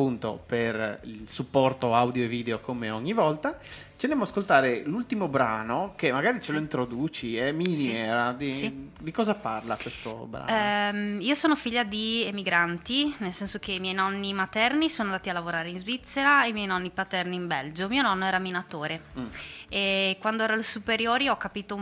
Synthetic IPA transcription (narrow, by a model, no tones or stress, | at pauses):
apːunt̪o̰perḭlsupːɔrt̪oawd̪joevːiːd̪eokʰomeɔɲːivɔlt̪a | t͡ʃ̪enemːoaskolt̪aːɾelult̪imobɾa̰ːnokemːaɡaːɾit͡ʃeloint̪ɾod̪uːt͡ʃiɛminjɛɾad̪isid̪ikɔːzapa̰rlakwest̪o̰bɾa̰ː | iːosoːnofiʎːad̪iemiɡɾant̪inelsɛnsok̟eimjɛjnɔnːimat̪ɛrnisoːnond̪aːt̪ialːavoɾaːɾeinzvit̪sːeɾaeimjɛjnɔnːipat̪ɛrniːmbɛld͡ʒomiːonɔnːoɛːɾaminat̪oːɾe | ekwand̪oɛːɾolsupeɾjoːɾiɔkːapiːt̪o